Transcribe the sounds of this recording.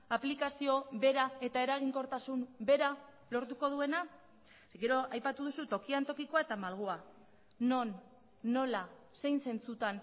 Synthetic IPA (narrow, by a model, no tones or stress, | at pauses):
aplikasio̞βe̞ɾae̞t̪ae̞ɾaɣ̞iŋko̞ɾt̪asumbe̞ɾa | lo̞ɾt̪uko̞ð̞ue̞na | ɡe̞ɾo̞ʔajpat̪uðusut̪o̞kiant̪o̞kiko̞ae̞t̪amalɣ̞ua | no̞nː | o̞la | se̞jnse̞nt͡sut̪an